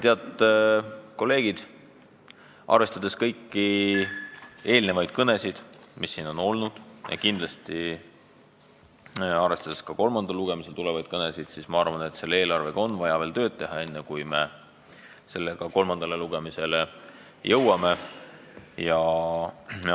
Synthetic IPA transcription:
t̪eɑt̪ːˑ | ko̞lːe̞ːɡ̥id̪̥ | ʔɑ̰rve̞st̪ɑd̪̥e̞skɤjkːi | e̞ːlne̞vɑjd̪̥̚kɤne̞sid̪̥misːiːno̞no̞lnud̪̥jɑ̰kind̪lɑst̪i | ɑrɾvest̪ɑd̪e̞skɑko̞lmɑnd̪̥ɑlːuɡ̥e̞mise̞lt̪ulɛvɑjd̪̥̚kɤne̞sid̪̥sismɑɑrvɑne̞t̪se̞lːee̞ːlɑrve̞ɡ̥ɑo̞nvɑjɑve̞ːlt̪ø̞ːd̪̥̚t̪e̞ɦɑe̞nːekujme̞ | se̞lːe̞ɡ̥ɑko̞lmɑnd̪̥ɑleluɡ̥emise̞le | jɤwɑme̞ | jɑ

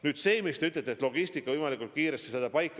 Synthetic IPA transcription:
nyːd̪̥se̞ːmist̪eyt̪let̪ːet̪lo̞ɡ̥isʲt̪ikːˑɑvɤjmɑlikːˑult̪̚kiːɾest̪i̥sed̪̥ɑpɑjkːˑ

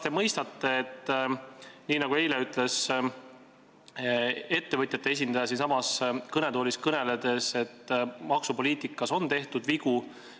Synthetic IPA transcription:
t̪emɤjst̪ɑt̪ːe̞ːet̪ː | niːnɑɡ̥ue̞jle̞yt̪ːˑle̞s | e̞t̪ːe̞vɤt̪ʲjɑt̪ːe̞es̬ʲind̪ɑjɑs̬insɑmɑskɤne̞d̪̥o̞ːlʲiskɤne̞led̪̥e̞se̞t̪ːmɑksupo̞liːt̪ˑikːˑɑso̞nt̪e̞ht̪ud̪viku

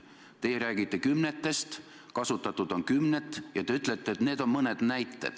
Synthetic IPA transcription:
t̪e̞jeɾæːɡit̪ːe̞kymnet̪ːˑe̞st̪ | kɑsut̪ːˑɑt̪ːˑud̪̥o̞ŋkymnet̪ːˑjɑt̪eyt̪ːˑlet̪ːˑeːt̪ne̞ːd̪o̞mmɤned̪̥næjt̪ːˑe̞̰d̪̥

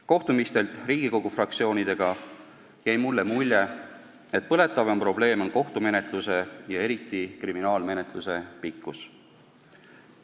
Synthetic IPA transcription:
ko̞ht̪umist̪e̞lt̪ˑriːɡ̥iko̞ɡ̥ufrɑk̚t̪sio̞ːnid̪̥e̞ɡ̥ɑ | jæjmulːe̞mulʲje̞ | e̞t̪̚pɤ̞le̞t̪ˑːɑvempro̞ble̞ːmo̞nko̞ht̪ume̞ne̞t̪ˑluse̞jɑe̞ɾit̪ːˑikriminɑːlme̞ne̞t̪ˑluse̞pikːˑus

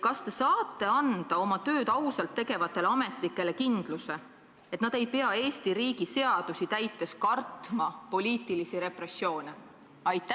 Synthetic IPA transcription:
kɑst̪e̞sɑːt̪ːe̞ɑnd̪̥ɑo̞mɑt̪øːd̪ɑwsɑlt̪ːe̞ɡ̥e̞vɑt̪ːˑe̞leɑme̞t̪ˑlikːˑe̞lekind̪̥luse̞ | e̞t̪nɑd̪̥e̞jpe̞ɑe̞ːsʲt̪iɾiːɡ̥ise̞ɑd̪̥usit̪æjt̪ːˑe̞skɑrt̪mɑpo̞lʲiːt̪ˑilisiɾe̞pre̞sːjo̞ːne | ɑjt̪ːæ

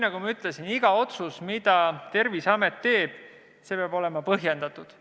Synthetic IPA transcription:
nɑɡ̥umɑyt̪ˑlesiniɡ̥ɑo̞t̪susmid̪ɑt̪e̞rvisɑme̞t̪ːe̞ːb̥̚ | se̞peɑbo̞le̞mɑpɤɦje̞nd̪̥ɑt̪ːˑud̪̥

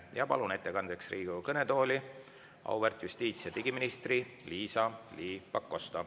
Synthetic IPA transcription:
jɑpɑ̰lune̞t̪ːe̞kɑnd̪̥eksrʔiːɡ̥ukɤne̞t̪o̞ːlʲi | ʔɑ̰wvert̪just̪iːt̪sijɑt̪iɡiminist̪ri | liːsɑliːpɑkˑːo̞st̪ɑ

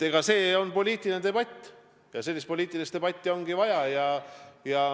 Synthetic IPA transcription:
eɡ̥ɑse̞ːo̞npo̞lʲiːt̪ˑilnet̪e̞bɑt̪ʲːˑ | jɑse̞lʲːis̬t̪̚po̞lʲiːt̪ːˑilist̪e̞b̥ɑt̪ʲːˑio̞ŋɡ̥ivɑjɑjɑjɑ

